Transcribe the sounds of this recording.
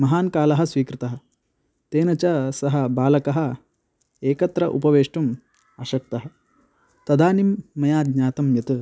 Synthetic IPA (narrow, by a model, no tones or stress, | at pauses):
mɐɦaːnkaːlɐɦɐ̆sʋiːkɾɨt̪ɐɦɐ̆ | t̪eːnɐt͡ʃɐsɐɦɐ̆baːlɐkɐɦɐ̆ | eːkɐt̪ɾɐʔupɐʋeːʂʈɐm | ɐʃɐk̚t̪ɐɦɐ | t̪ɐd̪aːnimːɐjaːd̪ɲaːt̪ɐmjɐt̪ɨ